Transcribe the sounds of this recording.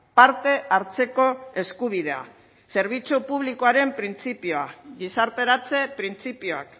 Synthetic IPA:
paɾt̪e̞ʔaɾt͡se̞ko̞e̞skuβ̞ið̞e̞a̰ | se̞ɾβ̞it͡supuβ̞liko̞aɾe̞mpɾint͡sipioaɣisaɾt̪e̞ɾat͡se̞pɾint͡sipioa̰k

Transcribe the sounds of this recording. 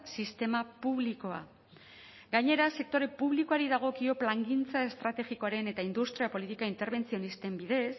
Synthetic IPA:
sist̪e̞mapuβliko̞a̰ | ɡaɲe̞ɾase̞k̚t̪o̞ɾe̞puβliko̞aɾiðaɣ̞o̞kio̞plaŋɡint͡sae̞st̪ɾat̪e̞ɣiko̞aɾe̞ne̞t̪aind̪ust̪ɾiapo̞lit̪ikaint̪e̞ɾβ̞e̞nt͡sio̞nist̪e̞mbiðe̞s

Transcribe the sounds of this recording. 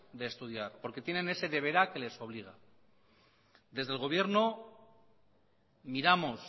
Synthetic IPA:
d̪e̞ːst̪uðjaɾpo̞ɾke̞t̪je̞nene̞se̞ðe̞βe̞ɾake̞le̞so̞β̞liɣ̞a | d̪e̞zðe̞lɣo̞β̞je̞ɾno̞ | miɾamos

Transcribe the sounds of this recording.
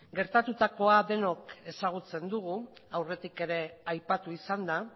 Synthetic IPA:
ɡe̞ɾt̪at̪ut̪ako̞aðe̞no̞ke̞saɣ̞ut͡se̞nd̪uɣ̞uawre̞t̪ike̞ɾe̞ajpat̪uisand̪a

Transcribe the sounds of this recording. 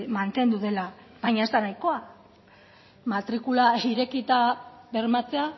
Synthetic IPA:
mant̪e̞nd̪uðe̞la | b̥aɲaest̪anajko̞a | mat̪ɾikulaiɾe̞kit̪aβe̞rmat͡se̞a

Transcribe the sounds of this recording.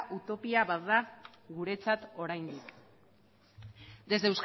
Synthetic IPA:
ʔut̪o̞piaβat̪ða | ɣuɾe̞t͡sat̪o̞ɾajnd̪ik | d̪e̞zd̪ewsk

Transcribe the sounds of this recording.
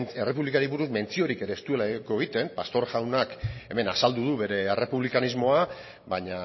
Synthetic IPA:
ere̞puβlikaɾiβuɾuzme̞nt͡sio̞ɾike̞ɾe̞ːst̪ue̞lako̞eɣit̪e̞mpast̪o̞ɾɣawnake̞me̞nasald̪uðuβe̞ɾe̞ːre̞puβlikanizmo̞a | baɲa

